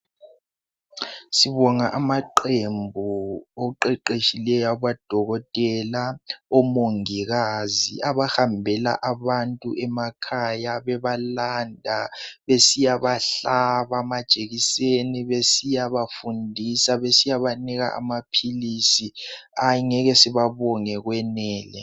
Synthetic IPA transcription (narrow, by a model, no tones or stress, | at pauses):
siβɔŋaʔamaǃembʱuoǃɛǃeʃilɛjaβad̥ʱɔɣɔtʼɛlaɔmoŋiɣaziʔaβahambʱɛla̰ʔaβantʼṵʔɛmakʰajaβɛβalandʱaβesijaβaɬaβamad̥ʒ̥ʱeɣiseniβesijaβafundʱisaβesijaβaniɣa̰ʔa̰mapʰilisiaŋɛɣɛsiβaβɔŋɛɣwɛnɛːlɛ